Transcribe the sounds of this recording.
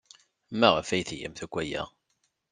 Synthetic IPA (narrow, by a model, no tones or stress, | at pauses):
mːæʁəfæjθjæ̰mθækʷːæjæ̰